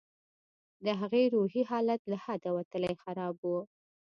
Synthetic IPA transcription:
d̪əɦaɣeɾuhiɦɑlat̪lahad̪awat̪əlajxaɾɑbwu

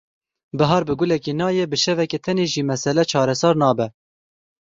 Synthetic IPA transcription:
bɨɦɑːɾbɨɡʊlɛkenɑːjɛbɨʃɛvɛket̪ʰɛneːʒiːmɛsɛlɛt͡ʃʰɑːɾɛsɑːɾnɑːbɛ

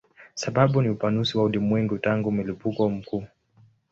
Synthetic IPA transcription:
saɓaɓuniupanusiwaulimwɛŋɡutaŋɡumilipukɔm̩kuː

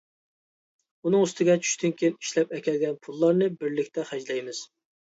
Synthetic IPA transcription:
unɨŋust̪ʰɪɡʲɛt͡ʃʰy̥ʃt̪ɪnkʲʰejniʃlɛpɛkʲɛlɡʲɛnpʰulˠːɑɾnɨbɪɾlɪkʲt̪ʰɛχæd͡ʒlɛjmɪz̥

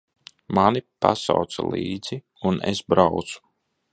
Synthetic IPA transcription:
manipa̰sawt̪salˠiːd̪z̥i | unḛsbɾawt̪su̥

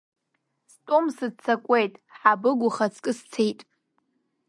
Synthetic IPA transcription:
stʷʼomsɨt͡sʰːakʷʼe̞jtʼħabɨɡʷʊχat͡sʰkʼɨst͡sʰejtʼ

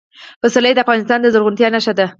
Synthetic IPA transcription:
pəsalajd̪əafɣɑnɪst̪ɑnd̪əzəɾɣʊnt̪jɑnaʃad̪a

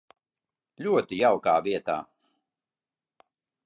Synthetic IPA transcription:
lʲuɔt̪ijawkaːvʲiɛt̪a̰ː

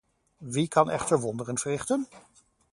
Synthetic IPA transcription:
ʋikɑnɛ̰χtəɹʋɔndərənv̥əɹrɪχtən

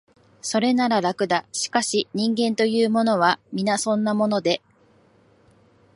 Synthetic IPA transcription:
so̞ɾe̞naɾaɾakɯ̟d̪aɕi̥kaɕiɲ̟ĩŋɡẽ̞nt̪o̞jɯːmo̞no̞βamʲinasõ̞nːamo̞no̞d̪e̞

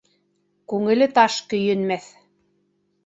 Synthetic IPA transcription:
kʉŋɘ̆lɘt̪ɑʃkɵ̆jɘ̆nmæθ

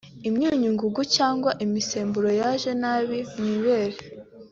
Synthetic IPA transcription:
imɲuːɲuŋɡuɡucaːŋɡwaʔimise̞ːmbuɾo̞jaʒe̞naːβimniːβe̞ːɾe

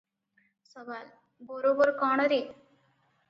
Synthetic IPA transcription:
səbal | bəɾobəɾkaɳ̃ɾe

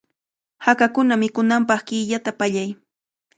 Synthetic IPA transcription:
hakakʊnamɪkʊnampɑχkɪːʎat̪apaʎaj

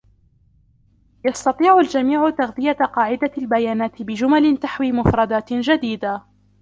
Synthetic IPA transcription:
jɑst̪ɑt̪ˤiːʕʊld͡ʒamiːʕʊt̪aɣðɪjaqɑːʕɪd̪albajaːnaːt̪ɪbɪd͡ʒʊmalɪt̪aħwiːmʊfɾˤɑd̪aːt̪d͡ʒad̪iːd̪a

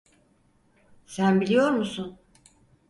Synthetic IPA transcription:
sænbilʲijo̞ɾmusun

